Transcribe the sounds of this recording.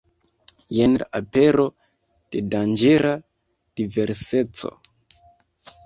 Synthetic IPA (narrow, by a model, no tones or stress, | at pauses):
jenlaape̞ɾo̞ | d̥e̞dand͡ʒe̞ɾa | d̥ive̞ɾse̞t͡so̞̰